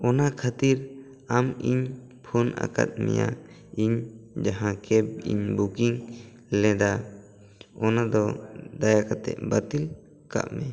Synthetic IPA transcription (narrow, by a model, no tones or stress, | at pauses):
ɔnakʰat̪iɾ | amiɲ | pʰunʔa̰ka̰t̪̚mɛ̰ja | iɲd͡ʒaɦãkʰɛb̚ḭɲbukiŋ | lɛ̃d̪a | ɔnad̪ɔd̪ajakat̪ɛ̰ʔbat̪il | ka̰ʔmɛ